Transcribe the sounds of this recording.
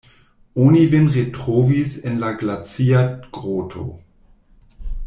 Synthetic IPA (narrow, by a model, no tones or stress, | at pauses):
onivenʁetʁ̥oːvisɪnlaɡlat͡siaɡ̥ʁoːtʰo̰